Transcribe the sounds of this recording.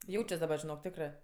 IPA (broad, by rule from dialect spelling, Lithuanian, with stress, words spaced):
ˈjɛʊt͡ʃʲɛs dɐˈbɐ ʒʲɪˈnoːk ˈtʲæːkrɜ